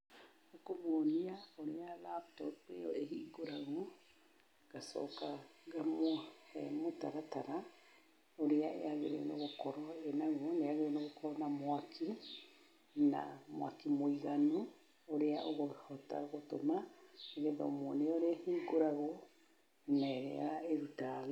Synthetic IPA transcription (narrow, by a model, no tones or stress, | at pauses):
akomoniaoɾialaptopḛoʔehiɡoɾaɣo | ɡ̥aso̰kaɡamohḛmutaɾataɾa | oɾiaʔḛaβiɾḛnoɡokoɾoenaɡuoneaɡeonaɡokoɾonamoakʰi | na̰moa̰kimoiɡanu | oɾeaʔoɣohota̰ɣotomaeɡedomoneoɾehiɡoɾaɣo | naɾḛa̰aeɾuta